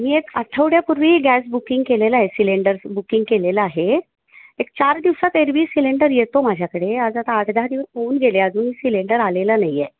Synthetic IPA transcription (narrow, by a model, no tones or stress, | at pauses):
miːekəʈʰəʋɽjapuɾʋiɡæsbukĩŋɡkeleləaɦesileɳɖəɾsbukiŋɡ̚keleləaɦe | ek̚t͡ɕaɾd̪iʋsat̪eɾʋiːsileɳɖəɾjet̪omad͡ʑʱjakəɽead͡zat̪aəʈʰd̪ʱaɾiʋsɦouːnɡʱeleəd͡zuːnisileɳɖəɾalelanajːe